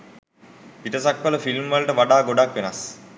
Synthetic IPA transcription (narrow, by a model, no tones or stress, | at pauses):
piʈəsakʋələfilmʋəlʈəʋaɖaːɡoɖakʋenas